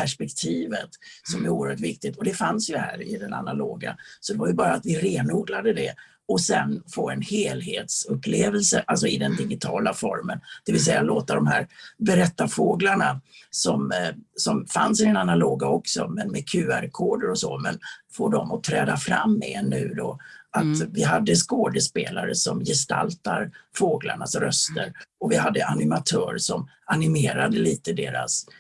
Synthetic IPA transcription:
pʰæʂpɛk̚t̪ʰiːvət̪sɔmæɾuːəɾhœːʈvɪk̚t̪ɪt̪ɔd̪ɛfansjɵhæːɾɪd̪ɛna̰na̰loːɡa̰sɔd̪ɛvajɵbɑːɾaːt̪vɪɾeːnuːɡlad̪əd̪ɛ | ɔsɛnfoːɛnheːlɦḛːt̪sɵpːleːvəlsəʔalsɔɪd̪ɛnd̪ɪɡɪt̪ʰɑ̰ːlafɔɾmənd̪̥ɛvɪlsɛjːaloːt̪ad̪ɔmɦæːɾbɛɾɛt̪ːafoːɡlaɳasɔmsɔmfansɪɛnanːaloːɡaɔksɔmɛnmɛkʰʉ̟ːæɾkʰoːɖəɾɔsɔmɛnfoːɖɔmɔt̪ʰɾɛːd̪afɾa̰mːɛnːʉ̟ːd̪ɔat̪vɪɦad̪ːəskoːd̪əspeːlaɾəsɔmjɛst̪a̰lt̪aɾfoːɡla̰ɳasɾœst̪əɾɔvɪɦad̪ːəʔanɪmat̪ʰœːɾʂɔm | anɪmeːɾad̪əliːt̪əd̪eːɾa̰s

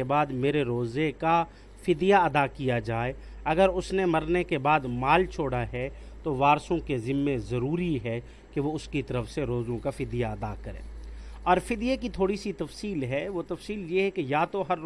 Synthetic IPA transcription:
ebaːd̪meːɾeɾoːzeka | fɪd̪jaɐd̪akijad͡ʒaːe | ɐɡəɾʊsnemɐɾnekebaːd̪maːlt͡ʃʰoːɽaɦɛ | t̪oʋaːɾsõkezɪmːẽzɐɾuːɾiɦɛ | keʋoʊskit̪ɐɾəfseɾoːzõkafɪd̪ijaɐd̪akɐɾḛ̃ːɔːɾfɪd̪jekit̪ʰoːɽisit̪ɐfsiːlɦɛʋot̪ɐfsiːljeɦɛkejaːt̪oɦɐɾ

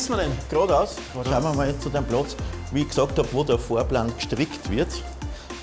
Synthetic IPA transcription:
smɐdɛnɡ̥ʁoːdaʊs | aməmajet͡st͡sudemplɔt͡sʋiːɪçksɑːkthɑpʋoːdəɐfoːɐplaːnkʃtʁɪktvɪɐt

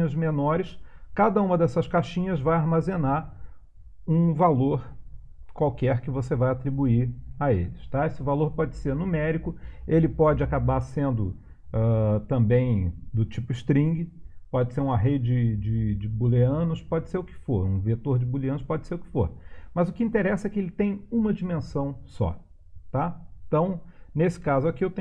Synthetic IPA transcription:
ɐzmenɔɾɪskad̪ɐũmɐd̪ɛsɐskaʃĩɲɐzvajaɾmazenaɾ | ũvaloɾ | kwawkɛɾkɪvosevajat̪ɾibuiɾaelɪst̪aesɪvaloɾpɔd͡ʒɪseɾnumɛɾikʊelɪpɔd͡ʒɪakabaɾsẽnd̪ʊ | ɛt̪ɐ̃mbẽj̃d̪ʊt͡ʃipʊiʃt̪ɾĩŋɡɪpɔd͡ʒɪseɾũmɐɦed͡ʒɪd͡ʒɪd͡ʒɪd͡ʒɪbuleɐ̃nʊʃpɔd͡ʒɪseɾʊkɪ̥foɾũvet̪oɾd͡ʒɪbuleɐ̃nʊʃpɔd͡ʒɪseɾʊkɪ̥foɾmɐzʊkɪĩnt̪eɾɛsɐɛkɪelɪt̪ẽj̃ũmɐd͡ʒimẽsɐ̃w̃sɔ̰ | t̪ãt̪ɐ̃w̃nesɪ̥kazʊakiewt̪ẽ

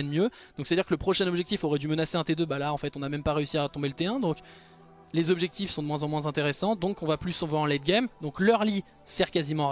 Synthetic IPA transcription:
ɛnmjød̪ɔ̃ksɛtad̪iʁkələpχɔʃɛ̃nɔbʒɛk̚t̪ifɔʁɛd̪ymənaseɛ̃t̪ed̪øbalaɑ̃fɛt̪ɔ̃namɛmpaʁeysiat̪ɔ̃belət̪eɛ̃d̪ɔ̃k | lezɔbʒɛk̚t̪ifsɔ̃d̪əmwɛ̃zɑ̃mwɛ̃zɛ̃t̪eʁesɑ̃d̪ɔ̃kɔ̃vaplysɔ̃vwaʁɑ̃lɛd̪ɡʲamd̪ɔ̃klœʁli | sɛʁkazimɑ̃

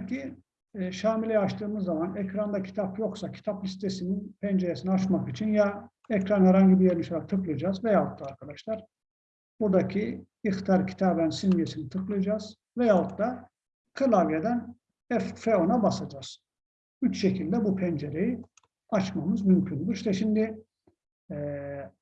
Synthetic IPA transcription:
cʰi | ʃaːmilʲejat͡ʃt̪ʰɯːmɯzːamanɛcɾand̪acʰi̥t̪ʰapjo̞ksacʰi̥t̪ʰaplʲist̪ʰesininpʰɛnd͡ʒeɾesiniat͡ʃmakit͡ʃʰinja | ɛcɾanhɛɾhaɲɟibijeɾnʲisalat̪ʰɯklˠɯd͡ʒaːzvɛjaɦut̪lɯaɾkʰad̪aʃlˠaɾ̥ | buɾd̪acʰi | ixt̪ʰijaɾcʰi̥t̪ʰaːbænsinmijesinit̪ʰɯklˠɯd͡ʒaːz̥ | vɛjaɦut̪lˠa | kʰɯlˠavjed̪æn | ɛffeo̞nabasad͡ʒaːz̥ | yt͡ʃʃecʰilʲd̪ɛbupʰɛnd͡ʒeɾeji | at͡ʃmamɯzmymcʰynd̪uɾʃt̪ʰɛʃimd̪i | ɛː

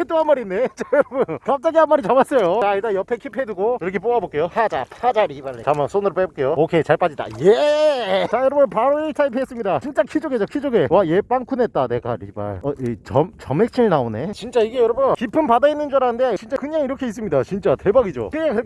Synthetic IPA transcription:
et͈oɦanmaɾinːe̞t͡ɕajʌɾʌbɯnkap̚t͡ɕ͈aɡiɦanmaɾit͡ɕamas͈ʌjot͡ɕait͈ajʌpʰekʰipʰe̞duɡoiɾʌkʰe̞p̬͈oabok͈e̞jopʰad͡ʑapʰad͡ʑaɾibaɭːeamansʰonɯɾop͈ebok͈e̞jookʰet͡ɕaɭp͈ad͡ʑida̰je | t͡ɕajʌɾʌbɯnpaɾoet͡ɕʰaipʰes͈ɯmɲidat͡ɕint͡ɕ͈akʰid͡ʑoɡed͡ʑokʰid͡ʑoɡe̞waje̞p͈aŋkʰunɦe̞t̚t͈ane̞ɡa̰ɾḭba̰ɭʌit͡ɕʌmt͡ɕʌmɦe̞k̚t͡ɕʰinɭnaone̞t͡ɕint͡ɕ͈aiɡe̞jʌɾʌbɯnkipʰɯmpadainːɯnd͡ʑʌɾanɯndet͡ɕint͡ɕ͈akɯɲaŋiɾʌkʰe̞is̬͈ɯmɲidat͡ɕint͡ɕ͈ate̞baɡid͡ʑo̰kɾɯekɯɾʌk

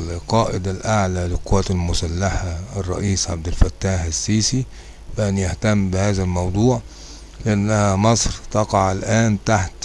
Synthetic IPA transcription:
qɑːʔɪd̪alʔaʕlælɪqʊwːæːt̪ɪlmʊsælːaħaɪrˤːɑ̰ʔiːsʕab̚d̪ɪlfæt̪ːaːħɪsːiːsi | fɪʔænjaht̪æmːbɪhæːzælmɑwd̪ˤuːʕ | lɪʔanːæhæmɑsˤɾt̪ɑqɑʕalʔæːnt̪aħt̪

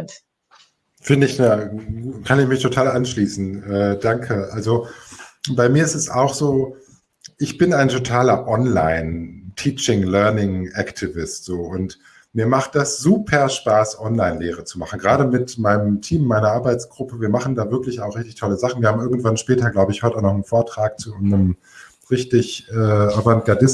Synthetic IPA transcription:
fɪndəɪçnaːukʰanɪçmɪçtʰotʰaːlʔanʃliːsn̩ʔɛːd̥aŋkʰəʔalzo | b̥aɪmiːɐɪstɛsaʊxz̥oː | ʔɪçb̥ɪnaɪntʰotʰaːlɐʔɔnla̰ɪntʰiːt͡ʃɪŋlœɐnɪŋʔaktʰivɪstz̥oːʔʊnt | miːɐmaχt̚d̥asz̥uːpʰɐɐʃpaːsʔɔnlaɪnleːʁ̞ət͡sumaχn̩ɡʁaːɾəmɪtmaɪnəmtʰiːmːaɪnɐʔaɐbaɪt͡sɡ̥ʁʊpəviːɐmaχn̩daːvɪɐklɪçaʊχʁɪçtɪçtʰɔləzaχn̩viːɐhabm̩ɪɐɡŋ̩tv̥anʃpɛːtɐɡlaʊbəɪçhɔtəaʊxnɔχnənfoːɐtʁ̥aːk̚t͡suʊnzʁəm | ʁɪçtɪçʔɛːʔabɐntɡ̥aɐdɪs

